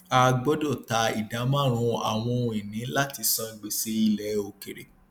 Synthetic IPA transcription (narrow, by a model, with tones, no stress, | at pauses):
a˧ɡ͡bɔ˦do˦˨ta˧ḭ˨da˨˦mã˦˨ɾ̃ũ˧a̰˨w̃ɔ̃˧o˧i˨nĩ˨˦la˦˨ti˧˦sɔ̃˧i˨˧ɡ͡be˨se˨˦i˧lɛ˨o˨ke˨ɾe˨